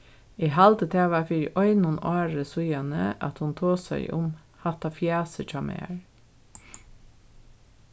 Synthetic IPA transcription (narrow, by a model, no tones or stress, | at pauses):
iːhɑld̪ət̪ʰeːʋɑfiɾʔɔʏnʊnɑːɹəsʊjɑnə̰ʔɑ̰t̪hʊnt̪ʰoːsæ̰ɪʔʊ̰m | hɑt̪ɑfjæːsət͡ʃʰɑːmḛːɹ